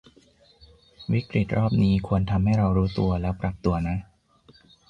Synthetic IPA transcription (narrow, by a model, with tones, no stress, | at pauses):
wi˦˥kɾi˨˩t̪̚ɾɔː˥˩p̚niː˦˥kʰu˧ənt̪ʰa˧mɦa˥˩jɾa˧wɾuː˦˥t̪u˧ɐlɛː˦˥wpɾa˨˩p̚t̪u˧ɐna˦˥